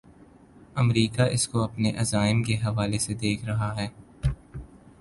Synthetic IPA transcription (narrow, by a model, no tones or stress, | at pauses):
ɐmɾiːkaʔɪskoɐpneʔɐzaːɪmkeɦɐʋaːlesed̪eːkʰɾɐɦaɦɛː